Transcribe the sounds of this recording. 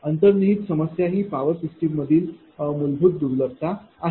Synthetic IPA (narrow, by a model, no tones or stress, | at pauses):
ənt̪əɾniɦiːt̪səməsjaɦiːpaʋəɾsisʈiːbməd̪ʱiːl | mulbʱuːt̪̚d̪uɾləɾ̚t̪aa